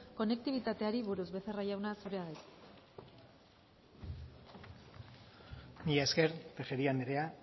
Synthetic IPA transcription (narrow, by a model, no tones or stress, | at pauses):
ko̞ne̞k̚t̪iβ̞it̪at̪e̞aɾiβuɾuzβe̞θe̞rajawnasuɾeaɣajs | niaeskeɾt̪exeɾianeɾe̞a